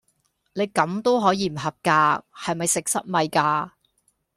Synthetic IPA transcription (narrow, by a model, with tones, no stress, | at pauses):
ne˨˧jkɐ˨˥mt̪o˥wɦɔː˨˥jiː˨˧m̩˨˩ɦɐ˨p̚kaː˧hɐ˨jmɐ˨jsɪ˨k̚sɐ̰˥t̚mɐ˨jkaː˧